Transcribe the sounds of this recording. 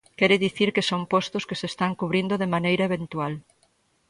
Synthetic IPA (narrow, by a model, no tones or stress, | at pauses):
kɛɾɪðiθiɾkesompɔst̪ʊskesest̪aŋkuβɾind̪oðemanejɾɐeβ̞ent̪ual